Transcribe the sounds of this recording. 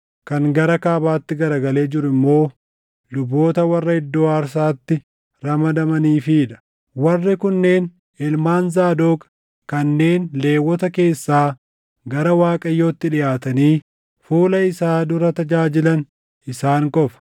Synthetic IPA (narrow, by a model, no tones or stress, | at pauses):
kɐŋɡɐɾɐkaːbaːt̪ːɪɡɐɾɐɡɐle̞ːd͡ʒɪɾʊɪmːo̞ː | lʊbːo̞ːt̪ɐwɐrːɐhɪd̪ːo̞ːɐɾs̬aːt̪ːɪ | ɾɐmɐd̪ɐmɐniːfiːᶑ̪ɐ̥ | wɐrːɪkʊnːe̞ːn | ɛlmaːnzaːd̪oːkʼɐ̥ | kɐnːe̞ːnle̞ːwːɔt̪ɐke̞ːsːaː | ɡɐɾɐwaːkʼɐjːo̞ːt̪ːɪᶑɪʔaːt̪ɐniː | fuːlɐɪsaːd̪ʊɾɐt̪ɐd͡ʒaːd͡ʒɪlɐn | ɪsaːŋkʼɔfɐ̥